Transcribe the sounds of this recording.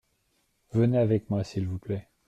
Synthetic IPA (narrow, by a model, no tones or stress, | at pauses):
vəneavɛkmwasilvuplɛ